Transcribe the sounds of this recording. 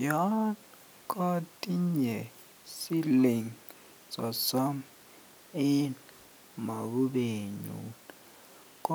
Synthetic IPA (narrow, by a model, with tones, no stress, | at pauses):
jɔ˦n | kʼɔ˦tʼi˦ɲɛ˨ | si˦li˨ŋ | sɔ˨sɔ˦m | i˦n | ma˨ku˦ɓe˨ɲṵn | kʼ